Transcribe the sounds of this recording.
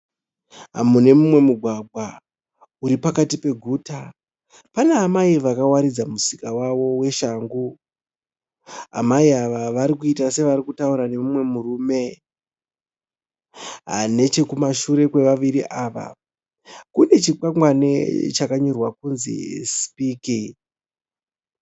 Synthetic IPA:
ɦa̰mune̞mumwe̞muɡʱwaɡʱwa | uɾipakatipe̞ɡʱuːta | paneːmaiʋakawaɾid͡zamusikawaʋo̞we̞ʃaːŋɡu | a̰maiaʋaʋaɾikuitase̞ʋaɾikutauɾane̞mumwe̞murume̞ | ɦa̰ne̞t͡ʃe̞kumaʃuɾe̞kwe̞ʋaʋiɾiʔaːʋa̰ | kune̞t͡ʃik͡paŋɡwanḛt͡ʃakaɲo̞rwakunzḭspiːki

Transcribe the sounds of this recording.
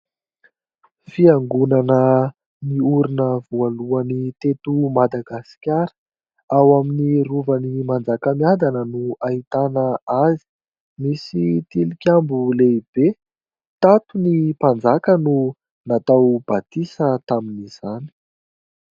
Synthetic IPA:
fiaŋɡunanə | miuɾinəvualuanit̪et̪umad̪aɡasi̥kʲaɾə̥ | awaminiɾuvanimand͡zakəmiad̪anənuait̪anəazi̥ | misit̪ilikʲambuleib̥e | t̪at̪unipand͡zakənu | nat̪awb̥at̪isət̪aminiz̥ani̥

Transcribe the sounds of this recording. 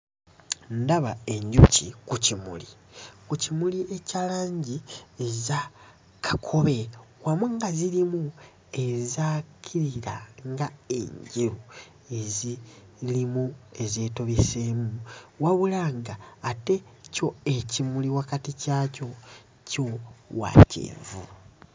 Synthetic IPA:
ndaβae̞ɲɟucikucimṵlikucimuliʔecalaːɲɟieza | kʰakʰo̞βe̞ | wamuŋɡazilimu | e̞zaːkʰiɾiɾa̰ŋɡae̞̰ɲɟiɾu | e̞zi | limue̞ze̞to̞βesemuwaβulaŋɡaːte̞co̞ecimuliwakaticaːco̞ | co̞wa̰cḛːɱvṵ

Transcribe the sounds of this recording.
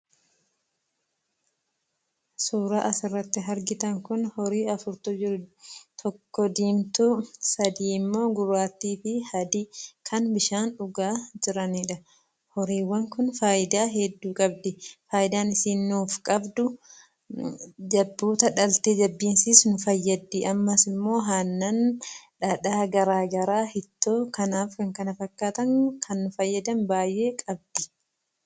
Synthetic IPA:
suːɾaːʔɐsɪrːɐt̪ːɪɦɐɾɡɪt̪ɐŋkʊnhɔɾiːɐfʊɾt̪ʊd͡ʒɪɾʊt̪ʰɔkːɔd̪iːmt̪ʊsɐd̪iːmːo̞ːɡʊbaːt̪ːiːfɪhɐd̪ɪkʰɐnbɪʃaːnᶑʊɡaːd͡ʒɪɾɐniːᶑɐ | hɔɾiːwːɐŋkʊnfaːʔɪd̪aːɦɛd̪ːuːkʼɐb̚d̪ɪfaːʔɪd̪aːnɪsiːnːuːfkʼɐbd̪ʊ | d͡ʒɐbːuːt̪ɐᶑɐlt̪eːd͡ʒɐbːiːnsisnʊfɐjːɐd̪ːiʔɐmːɐsɪmːo̞ːɦaːnːɐnᶑɐᶑaːɡɐɾaːɡɐɾaːhɪt̪ːoːkɐnaːfkɐŋkɐnɐfɐkːaːt̪ɐŋkʰɐnːʊfɐjːɐd̪ɐnbaːjʔe̞ːkʼɐb̚d̪̥ɪ̥

